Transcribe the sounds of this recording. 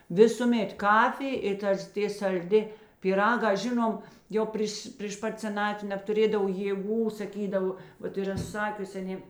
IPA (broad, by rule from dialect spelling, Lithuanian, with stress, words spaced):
ˈʋʲɪsuːˌmʲeːt ˈkɑːfʲɪj ɪ ˈtɐs ˈtʲeː sɐlʲˈdʲɪ pʲiːˈrɑːɡɐ ˈʒʲɪnoːm ˈjoː ˈpʲrʲiːʃ pʲrʲiːʃ ˈpɐt sʲɛˈnɑːtʲʋʲɪ nʲɛptʊˈrʲeːdɐw jeːˈɡuː sɐˈkʲiːdɐʋoː ˈʋɐt ɪˈrɐ ˈsɑːkʲʊsʲɪ ɐˈnʲeː